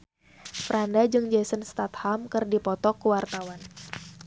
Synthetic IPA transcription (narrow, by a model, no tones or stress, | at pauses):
fəɾandad͡ʒɨŋd͡ʒɛsənst̪at̪hamkɨrdipɔt̪ɔkːuwart̪awan